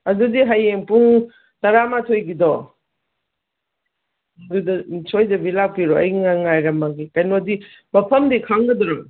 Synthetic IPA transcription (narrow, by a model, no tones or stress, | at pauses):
ɐdudiɦajeŋpuŋ | tɐɾamatʰojɡidɔ | dudsʰojzɐbilaiɾɔɐjŋaŋajɾɐmaɡikɐjnodi | mɐpʰɐmdikʰaŋɡɐdɔɾaŋ